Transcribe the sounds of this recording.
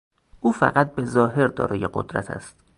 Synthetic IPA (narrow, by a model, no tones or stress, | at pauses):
ʔuːfæ̰ɣæt̪̚bezɒːɦe̞ɾd̪ɒ̰ːɾɒːjeɢo̰d̪ɾæ̰t̪ʰæ̰st̪